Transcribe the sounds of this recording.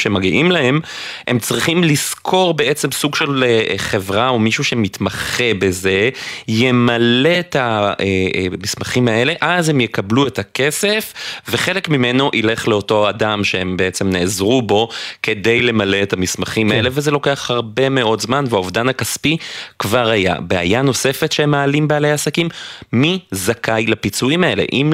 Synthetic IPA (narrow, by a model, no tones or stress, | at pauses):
ʃemaɡiʔimlahe̞m | e̞mt͡sʁiχimliskʰo̞ʁbe̞ʔet͡se̞msuɡʃelχe̞vʁaomiʃuʃe̞mitmaχebe̞ze̞jemale̞taemismaχimae̞le̞ʔazhe̞mjekabluetake̞se̞fve̞χe̞le̞kmimeno̞ʔile̞χleo̞to̞adamʃeembeet͡semneːzʁubo̞ke̞de̞jle̞male̞etamismaχimae̞levezelo̞ke̞aχhaʁbe̞me̞ʔo̞tzmanveaovdanhakaspikvaʁhaja̰bea̰jano̞se̞fetʃeemaːlimbealejaasakimːizakajlapit͡suimae̞lḛʔim